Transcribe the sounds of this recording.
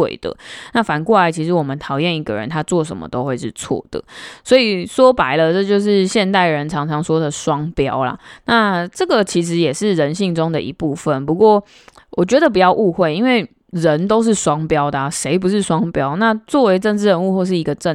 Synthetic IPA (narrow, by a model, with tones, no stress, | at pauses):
ḛ˥˨˩ɪd̪ə̰˩na˥˩fa˨˩nkwɔ˥˩la˧˦ɪt͡ɕʰi˧˥ʂɻ̩˧˥wɔ˨˩mə˦nt̪ʰɑ˨˩ʊjɛ˥˨ni˧˥ɡə̰˨ɻə̰˧˦nt̪ʰa˥t͡swɔ˥˨˩ʂ̬ə̰˨˦mə̰˦t̪o˥ʊxwe˥˧ɪʂɻ̩˥˧t͡sʰwɔ̰˥˩d̪̥ə̰˩swɔ˧˥i˨swɔ˥pa˨˩˦ɪlə˧ʈ͡ʂɤ˥˧t͡ɕjo˥˧ʊʂ̬ɻ̩˥˧ɕjɛ˥˧nt̪a˥˩ɪɻə˧˦nʈ͡ʂʰɑ˧˥ŋʈ͡ʂʰɑ˨˥ŋswɔ˥d̪ə˨ʂwɑ˦˥ŋpjɑ˥ʊla̰˨na˥˨ʈ͡ʂɤ˥˩ɡə˨t͡ɕʰi˧˥ʂ̬ɻ̩˧˥jɛ˨˩ʂɻ̩˥˩ɻə˧˦nɕi˥˩ŋʈ͡ʂʊ˥ŋd̪ə˨ʔḭ˧˥pu˥˧fə˨˩npu˧˥kwɔ˥˩ | wɔ˨˩t͡ɕɥɛ˧˥d̪ə˨˩pu˨˩t͡ɕjɑ˥˧ʊʔu˥˧xwe˥˩ɪi˦˥nwe˥˩ɪ | ɻə˧˦nt̪o˥ʊʂ̬ɻ̩˥˩ʂwɑ˥ŋpjɑ˥ʊd̪ə˨a˨ʂe˧˥ɪpu˧˦ʂɻ̩˥˩ʂwɑ˥ŋpjɑ˦˥ʊna˥˧t͡swɔ˥˩we˨˧ɪʈ͡ʂə˥˩nʈ͡ʂɻ̩˥ɻə˧˦nu˥˧xwɔ˥˧ʂɻ̩˥˩i˧˥ɡə˧ʈ͡ʂə˥˨